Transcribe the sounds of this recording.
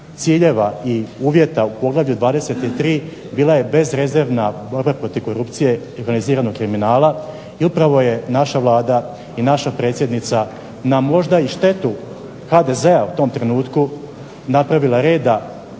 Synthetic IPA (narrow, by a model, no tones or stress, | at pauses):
t̪siːʎe̞ʋaiuːʋje̞t̪aupo̞ɡlˠaʋʎud̪ʋaːd̪ese̞t̪it̪ɾiː | biːlˠaje̞be̞zɾe̞ze̞ɾʋnabo̞ɾbapɾo̞t̪iʋko̞ɾupt̪sije̞io̞ɾɡaniziːɾanoɡkɾiminaːla | iupɾaʋo̞je̞naʃaʋlˠaːd̪a | inaʃapɾet̪sʲjed̪nit̪sa | namo̞ʒd̪aiʃt̪e̞t̪u | xad̪e̞ze̞aut̪o̞ːmt̪ɾe̞nuːt̪ku | napɾaʋilaɾe̞ːd̪a